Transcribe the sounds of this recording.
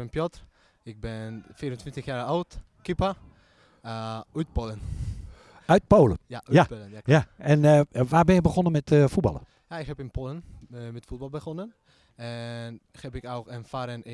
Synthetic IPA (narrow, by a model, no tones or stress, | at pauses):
ənpjɔt | ɪk̚bɪnfiəɾəntʋɪntəxjaːowt | kipa | yt̚polən | œɥt̚poːlənjajaɛnʋaːbɪnjɪk̚bəxonənmɛtəfut̚bɑ̰lˠə̰ | jaɪkhɛpɪnpʰolənmɛtfut̚bɔlˠbəxonən | ɛn | xɛpɪkowkənfaɾən